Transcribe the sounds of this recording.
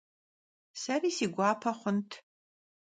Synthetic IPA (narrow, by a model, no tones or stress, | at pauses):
sɐriːsiːɡʷɑːpʰɐχʷʊntʰ